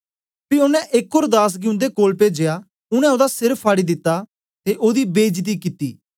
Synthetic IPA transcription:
piʊnɛ̃ʔɪkːoːɾd̪aːs̬ɡɪʊ̃nd̪ekoːlped͡ʒeːja | ʊɽ̃ɛ̃od̪asɪɾəpʰːaːɽid̪ɪt̪ːa | t̪eʔoːd̪ibeːd͡ʒt̪̬ikɪt̪ːḭː

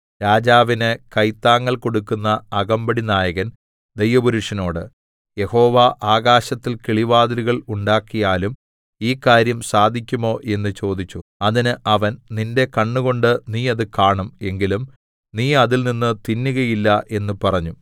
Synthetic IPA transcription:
ɾaːd͡ʑaːʋinɨkɐjt̪ːaːŋːɐɭko̞ɽukːunːɐːɣɐmbɐɽinaːjɐɣɐn | d̪ejʋɐbuɾuʂɐno̞ːɽɨ | je̞ho̞ːʋaːʔaːɣaːɕɐt̪ːilkiɭiʋaːðɐɾuɣɐɭuɳɖaːkːijaːlum | iːkːaːɾjɐmsaːd̪ʱikʲːumo̞ːʔe̞nːɨt͡ɕo̞ːd̪it͡ɕːuɐðinɨʔɐʋɐnninde̞kɐɳːuɣo̞ɳɖɨniːɐðɨkaːɳume̞ŋɡilum | niːɐðilninːɨt̪inːuɣɐjilːɐʔe̞nːupɐrɐɲːu

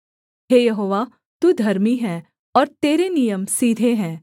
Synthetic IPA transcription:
ɦeːjɐɦoːʋa | t̪uːd̪ʱɐɾmiɦɛ̃ː | ɔːɾt̪eːɾenijəmsiːd̪ʱeɦɛ̃ː

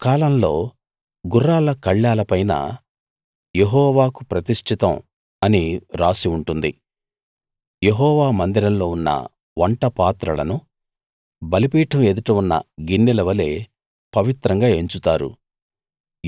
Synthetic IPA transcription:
kaːlɐmlo̞ː | ɡurːaːlɐkɐɭːaːlɐpɐjnɐ̰ | jeɦɔːʋaːkupɾɐt̪iʂʈʰit̪ɐm | ɐniɾaːsiuɳʈund̪ḭ | je̞ɦɔːʋaːmɐnd̪iɾɐmlo̞ːunːɐ̰ | ʋɐɳʈɐpaːt̪ɾɐlɐ̰nu | bɐlipiːʈʰɐme̞d̪uʈɐunːɐ̰ɡinːilɐʋɐle̞ː | pɐʋit̪ɾɐŋɡaːe̞ɲt͡ʃut̪aːɾṵ

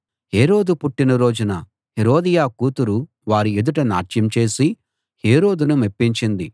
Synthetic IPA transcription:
heːɾo̞ːd̪upuʈːinɐɾo̞ːd͡ʒunɐ | heɾo̞ːd̪ijaːkuːt̪uɾu | ʋaːɾied̪uʈɐna̰ːt͡ʃjɐmt͡ʃe̞ːsi | he̞ːɾo̞ːd̪unumepːiɲt͡ʃind̪i

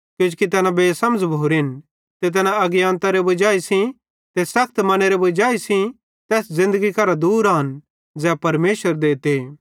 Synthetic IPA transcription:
kjod͡ʒkit̪ɛːnãbeːsɐməd͡ʒbʱoːɾin | t̪et̪̬ɛːnãɐɡjaːnt̪aɾebʊd͡ʒaːisĩ | t̪esɐk̚ʰt̪mɐneɾebʊd͡ʒaːisĩ | t̪ɛːszɪ̃nd̪əɡikɐɾad̪uːɾaɦɐn | d͡zɛːpɐɾmeːʃʋəɾd̪eːt̪e

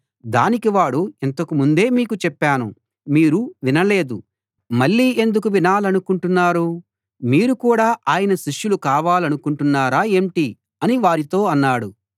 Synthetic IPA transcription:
d̪a̰ːnikiʋaːɽuɛnt̪ɐkumund̪e̞ːmiːkut͡ʃɛpːaːnṵ | miːɾuʋinɐle̞ːd̪ṵ | mɐɭːiːʔe̞nd̪ukuʋinaːlɐnukuɳʈunːaːɾu | miːɾukuːɽaːʔaːjɐnɐʃiʂjulukaːʋaːlɐnukuɳʈunːaːɾaːeːɳʈi | ɐniʋaːɾit̪o̞ːɐnːaːɽu

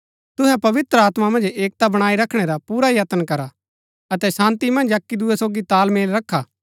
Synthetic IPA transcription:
t̪ʊɦɛpɐʋɪt̪ɾəaːt̪mamɐ̃nd͡ʒeːk̚t̪abɐɽ̃aːiɾɐkʰɽ̃ɛɾapuːɾajat̪ənkɐɾa | ɐt̪ɛsãːnt̪imɐ̃nd͡ʒɐkːid̪ʊɛsoːɡit̪aːlmeːlɾɐkʰːaː

